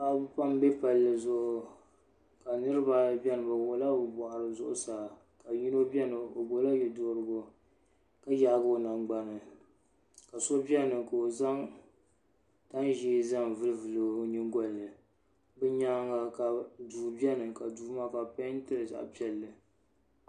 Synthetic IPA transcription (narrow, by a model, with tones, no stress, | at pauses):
ka˨˦bpa˦mbɛ˦pa˨lːɨ˨zʊ˦ʔʊ˨ | ka˨nɨ˦ɾɨ˦ba˨bʲɛ˦nɨ˨ba˨wo˨la˦bbɔ˨ʔa˨ɾɨ˨zʊ˦ʔʊ̰˦saː˨ | ka˨ji˦no˦bʲɛ˦nɨ˨o˨bo˨la˦jɛ˨do˦ɾɨ˨ɡo˨ | ka˦ja˨˦˨ɡo˨na˨ŋɡ͡ba˨nɨ˨ | ka˨so˦bɛ˦nɨ˨ka˨o˨za˦ŋ | ta˦n˦ʒi˦za˦ŋ˨vɨ˦lɨ˦vɨ˨lɨ˨ɲi˦ŋɡɔ˦˨lːɨ˨ | bɛ˦ɲaː˦ŋa˨ka˨duː˨bi˦ɛ˦nɨ˨ka˨duː˨˦ma˦ka˨pa˦n˦tɨ˦ɾɨ˨za̰˨ʔpi˦ɛ˨lːɨ˨